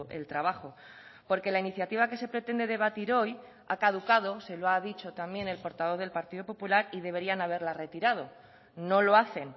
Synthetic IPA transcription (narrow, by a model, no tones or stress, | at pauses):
ʔe̞̰lt̪ɾaβ̞axo̞ | po̞ɾke̞lainiθjat̪iβ̞ake̞se̞pɾe̞t̪e̞nd̪e̞ðe̞β̞at̪iɾo̞j | a̰kaðukað̞o̞se̞loaðit͡ʃo̞t̪ambje̞ne̞lpo̞ɾt̪aβ̞o̞ð̞e̞lpaɾt̪iðo̞po̞pulaɾið̞e̞βe̞ɾianaβe̞ɾlare̞t̪iɾað̞o̞ | no̞lo̞aθe̞n